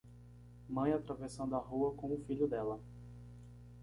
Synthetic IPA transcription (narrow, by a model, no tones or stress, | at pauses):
mɐ̃j̃at̪ɾavesɐ̃w̪d̪ʊaɦuɐkõʊfiʎʊd̪ɛlɐ